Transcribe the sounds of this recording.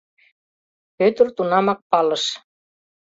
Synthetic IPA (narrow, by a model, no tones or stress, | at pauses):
pøt̪ɘ̆rt̪unɑmɑk̚pɑlɤ̆ʃ